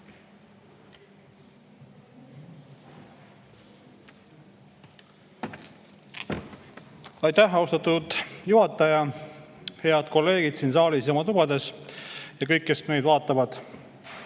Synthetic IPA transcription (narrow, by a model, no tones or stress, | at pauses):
ɑjt̪ːæhːɑust̪ɑt̪ːˑud̪̥juɦhɑt̪ːˑɑjɑ | he̞ɑd̪̥ko̞lːe̞ːɡ̥id̪̥siːns̬ɑːlisjɑomɑt̪ub̥ɑd̪e̞sjɑkɤjkːe̞sme̞jd̪vɑːt̪ːˑɑvɑd̪̥